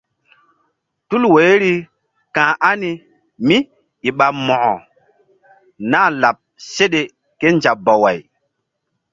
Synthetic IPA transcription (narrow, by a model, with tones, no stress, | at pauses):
tu˦lwe˨˦ɾi˦ | kã˨ʔa˦ni˦ | mi˦ | i˨ɓa˨mɔ˨ʔɔ̰˨ | naː˦˨la˨p̚se˦ɗe˨ | ke˦nd͡ʒa˨bɔ˨wa˨j